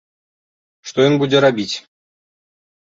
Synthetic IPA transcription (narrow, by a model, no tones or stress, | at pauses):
ʂt̪ojinbudʲĕɾabʲitʲ